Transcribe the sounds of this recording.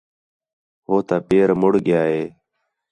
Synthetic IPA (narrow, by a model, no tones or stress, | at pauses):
ɦoːt̪aːpeːɾmʊɽɠɪjaːɦeː